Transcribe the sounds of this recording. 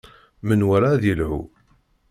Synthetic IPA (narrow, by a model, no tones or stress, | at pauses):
mənwæɾaðilhṵ